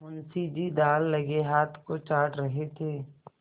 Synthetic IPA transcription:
ʊnsid͡ʒid̪aːlːɐɡeɦaːt̪ʰkot͡ʃaːʈɾɐɦet̪ʰeː

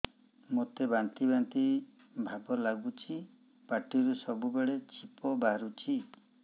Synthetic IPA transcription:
mot̪ebant̪ibant̪i | bʱabɔlaɡut͡ʃʰi | paʈiɾusɔbubeɭet͡ʃʰipɔbaɾut͡ʃʰi

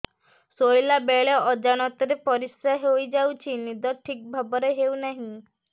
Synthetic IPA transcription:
sojlabeɭeɔd͡ʒaɽ̃ɔt̪ɔɾepɔɾisaɦojd͡ʒawt͡ʃʰinid̪ɔʈʰik̚bʱabɔɾeɦewnaɦĩ

